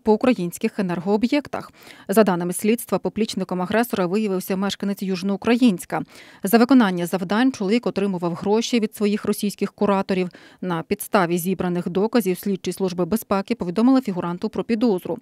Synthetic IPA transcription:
pɔʊkɾɐjinʲsʲkɪxenɛrɦɔːbjɛkt̪ɐ̰xzɐd̪ɑnɪmɪsʲlʲit̪st̪ʋɐpɔblʲit͡ʃnɪkɔmɐɦɾɛsɔɾɐʋɪjɐʋɪwsʲɐmɛʃkɐnet͡sʲjuʒnɔʊkɾɐjinʲsʲkɐzɐʋɪkɔnɑnʲːɐzɐwd̪ɑnʲt͡ʃɔlˠɔʋʲikɔt̪ɾɪmʊʋɐwɦɾɔʃiʋʲid̪sʋɔjixrɔsʲijsʲkɪxkʊɾɑt̪ɔɾʲiwnɐpʲid̪st̪ɑʋʲizʲibɾɐnɪxd̪ɔkɐzʲiwsʲlʲid̚t͡ʃːislˠuʒbɪbespɛkɪpɔʋʲid̪ɔmɪlˠɪfʲiɦʊɾɑnt̪ʊpɾɔpʲid̪ɔzɾʊ̰

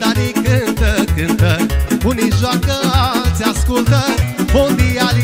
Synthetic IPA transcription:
alikɨnt̪ɐkɨ̃nt̪ɐuniʒɔkɐasiaskult̪ɐbõd̪iali

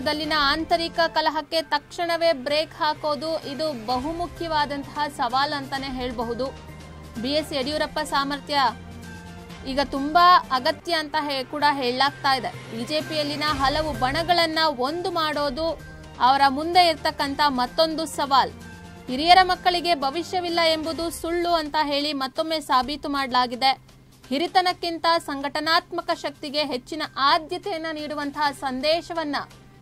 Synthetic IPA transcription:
d̪ɐlːinɐaːnt̪ɐɾikɐkɐlɐɦɐkːe̞t̪ɐkʂɐɳɐʋe̞ːbɾeːkhaːko̞ːd̪uʔid̪ubɐɦumukʰjɐʋaːd̪ɐnt̪ɐɦɐsɐʋaːlɐnt̪ɐne̞ɦeːɭbɐɦud̪u | bijeseɽijuːɾɐpːɐsaːmɐɾt̪jɐ | iːɡɐt̪umbɐɐɡɐt̪jɐːnt̪ɐɦekuːɽɐɦeːɭlaːɡ̚t̪aːjid̪e̞biːd͡ʒe̞ːpijɐlːinɐɦɐlɐʋubɐɳɐɡɐɭɐnːɐo̞nd̪umaːɽoːd̪u | ɐʋɐɾɐmund̪e̞iɾt̪ɐkːɐnt̪ʰɐmɐt̪ːo̞nd̪usɐʋaːl | hiɾijɐɾɐmɐkːɐɭiɡe̞bʱɐʋiʃjɐʋilːɐe̞mbud̪usuɭːuɐnt̪ɐɦe̞ːɭimɐt̪ːo̞mːe̞ːsaːbʱit̪umaːɽɐlaːɡid̪e̞ | hiɾit̪ɐnɐkːint̪ɐsɐŋɡʱɐʈɐnaːt̪mɐkɐʃɐk̚t̪iɡe̞ɦet͡ʃːinɐʔaːd̪jɐt̪ɛjɐnːɐniːɽuʋɐnt̪ʰɐɦɐsɐnd̪ɛːʃɐʋɐnːɐ

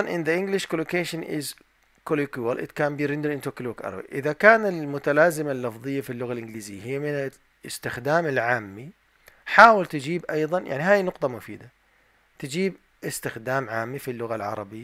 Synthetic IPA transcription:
nʔɪnðaʔɪŋɡlɪʃkolokeːʃɪnʔɪ̰z | kolikuwalʔɪ̰d̪kaːmbiːɾɪnd̪ɾʔɪnt̪oklukʔɑ̰ɾˤwḭʔɪðakaːnɪlmʊt̪alaːzɪmalːɑfðˤɨjːafilːʊɣalʔɪŋɡliːzɪjːaɦɪjːamɪna | ɪ̰st̪ɪxd̪aːmɪlʕaːmːi | ħaːwɪlt̪ɪd͡ʒiːbʔɑjðˤɑnja̰ʕniɦaːjnʊqt̪ˤɑmʊfḭːd̪a | t̪ɪd͡ʒiːb | ʔɪst̪ɪxd̪aːmʕaːmːifilːʊɣalʕɑ̰ɾˤɑ̰bɪjːa

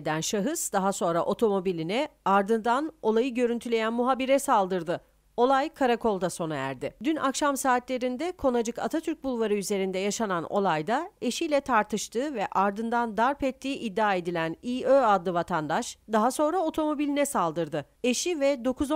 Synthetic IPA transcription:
d̪ænʃaɦɯzd̪aɦaso̞nɾaʔo̞t̪ʰo̞mo̞bilʲinɛaɾd̪ɯnd̪ano̞lˠajɯɟø̞ɾynt̪ʰylʲe̞jænmuɦabiɾɛsalˠd̪ɯɾd̪ɯ | o̞lˠajkʰaɾakʰo̞lˠd̪aso̞najæ̰ɾd̪ɪd̪ynʔakʃamsaːt̪lʲe̞ɾind̪ɛkʰo̞nad͡ʒɯkʰa̰t̪ʰat̪ʰyɾc̚bulˠvaɾɯyze̞ɾind̪ɛjaʃanano̞̰lˠajd̪ae̞ʃijlʲɛt̪ʰaɾt̪ʰɯʃt̪ʰɯːvɛʔaɾd̪ɯnd̪and̪aɾpɛt̪ʰːiːʔid̪ːaːe̞d̪ilʲæniːøːad̪lːˠɯvat̪ʰand̪aʃd̪aɦaso̞nɾao̞t̪ʰo̞mo̞bilʲinɛsalˠd̪ɯɾd̪ɯ | e̞ʃivɛd̪o̞kʰuz

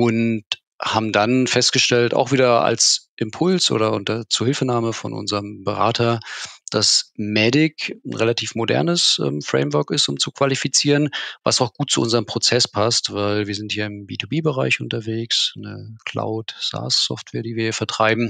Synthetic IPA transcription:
ʔʊnt | haːbm̩danfɛst̚ɡ̥əʃtɛlta̰ʊxv̥iːdɐa̰lsʔɪmpʰʊlsʔo̰ːɾɐʔʊntɐt͡suːɐhɪlfənaːməfɔ̰nʔʊ̰nzəʁəmbəʁa̰ːtʰɐd̥asmɛdɪkn̩ʁelatʰiːfmodɛ̰ɐnəsʔɛ̰ːmfʁ̥ɛ̰ɪmvœɐkɪstʊmt͡sukv̥alifit͡siːʁənva̰saʊxɡ̥uːt̚t͡suʔʊnzəʁəmpʁ̥ot͡sɛspʰastv̥aɪlviːɐzɪnthiːɐɪmbiːtʰubiːbəʁaɪçʔʊntɐveːksnəkʰl̥a̰ʊtz̥a̰sːɔ̰ftv̥eːɐdiːviːɐhiːɐfɛɐtʁ̥aɪbm̩

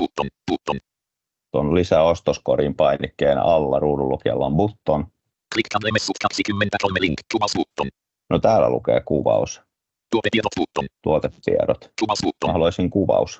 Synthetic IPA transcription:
ut̪ːonput̪ːon | t̪onlisæost̪oskoɾimpɑinikːeːnɑlːɑruːdulːukiɑ̰lːɑmbut̪ːon | klikkɑnlemesut̪kɑksikymːent̪ækolmeliŋkːusut̪ːon | not̪æːlːæ̰lṵkḛːkuʋɑ̰us | t̪uot̪et̪ːiot̪ut̪ːont̪uot̪et̪ːḭḛɾot̪uɑsut̪ːohɑloisiŋkuʋɑ̰us

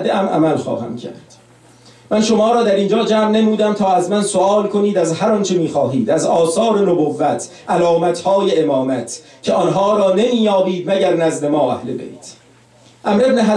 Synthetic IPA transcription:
d̪eʔæmʔæ̰mælxɒ̰ːhæ̰mcʰæ̰ɾd̪̥ | mænʃo̞mɒːɾɒːd̪æɾiːnd͡ʒɒːd͡ʒæːmnemuːd̪æmt̪ʰɒːæzmænsoɒːlkʰo̞niːd̪æzhæɾɒnt͡ʃʰe̞miːxɒːɦiːd̪æzɒːsɒːɾe̞nobovːæt̪ʰ | ʔælɒːmæt̪ʰhɒːjeemɒːmæt̪ʰ | cʰeɒːnɦɒːɾɒːne̞miːjɒːbiːd̪̚mæɟæɾnæzd̪e̞mɒːæ̰hlḛbḛjt̪ʰ | ʔæmɾe̞bneɦæ

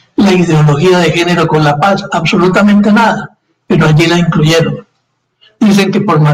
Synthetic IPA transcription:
laiðeo̞lo̞xiaðe̞xe̞ne̞ɾo̞ko̞nlapasaβso̞lut̪amẽ̞nt̪e̞naða | pe̞ɾoaʎilaiŋkluʝe̞ɾo̞n | d̪̥is̬e̞ŋke̞po̞ɾma

